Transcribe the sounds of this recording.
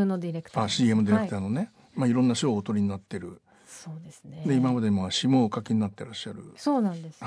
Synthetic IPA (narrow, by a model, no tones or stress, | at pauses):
nod̪iɾekɯ̥t̪aɕiːe̞mɯ̟d̪ʲiɾɾekɯt̪aːno̞ne | maiɾõ̞nːaɕoːt̪oɾʲiɲ̟inat̪ːe̞ɾɯ̟ | soːd̪esɨnd̪e̞imamad̪eimoɕimo̞ːkakeɲ̟inat̪ːe̞ɾaɕːaɾɯ̟̰soːnãnd̪es